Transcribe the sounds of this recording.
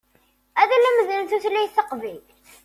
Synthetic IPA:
æðælæməðənθuθlːæjθːəqvil

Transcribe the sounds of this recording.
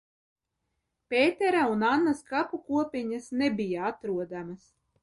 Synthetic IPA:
pʲeːt̪ɛɾaunanːaskapukuɔpʲiɲasnebijaat̪ɾuɔd̪amas

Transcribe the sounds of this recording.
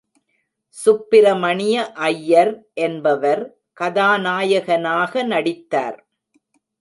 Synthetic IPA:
sʊpːɪɾɐmɐɳɪjɐʔɐjːɐɾʔɛnbɐʋɐɾ | kɐðaːnaːjɐɣɐnaːɣɐnɐɽɪt̪ːa̰ːɾ

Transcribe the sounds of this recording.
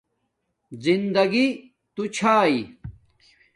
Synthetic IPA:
zind̪ɐɡi | t̪ut͡ɕʰaːi

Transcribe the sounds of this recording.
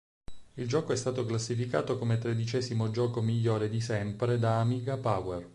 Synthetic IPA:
ild͡ʒɔːkoɛst̪aːt̪oklasːifika̰ːt̪okomet̪ɾed̪it͡ʃɛːzimod͡ʒɔːkomiʎːoːɾed̪isɛmpɾed̪aːmiːɡapawɛr

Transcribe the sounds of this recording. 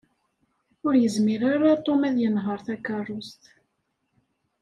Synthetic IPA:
ʊɾjəzmiɾaɾat̪ˤomæðjənɦəɾˤθækːɑrˤːʊst̪

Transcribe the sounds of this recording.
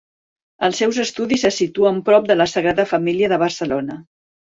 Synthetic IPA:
əlˠsːɛwzəst̪uðisəsit̪uəmpɾɔp̚d̪ələsəɣɾaðəfəmiliəðəβ̞ərsəlonə

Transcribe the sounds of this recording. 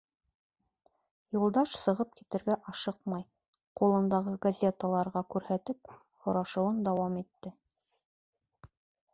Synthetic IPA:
julˠd̪ɑʃsɤ̆ʁɤp̚kit̪ɘ̆ɾɡæʔɑʃɤqmɑj | qulˠɤ̆nd̪ɑʁɤɡɐzʲet̪əlˠɑɾʁɑkʉɾhæt̪ɘp̚ | hŏɾɑʃɤ̆wɤnd̪ɑwɑmit̪ːɘ

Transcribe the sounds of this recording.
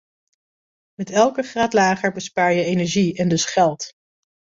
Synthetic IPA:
mɛtɛlˠkəχraːtlaːχəɹbəspaːɹjəejnɛɹʒiɛndɵsχɛlˠt

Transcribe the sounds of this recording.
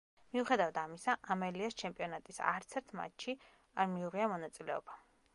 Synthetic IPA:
miuχɛd̪avad̪amisaʔamɛliast͡ʃʰɛmpʼiɔnat̪ʼisa̰ɾt̪sʰɛɾt̪ʰma̰t͡ʃʃʰi | aɾmiuʁiamɔnat̪sʼilɛɔ̰b̥a

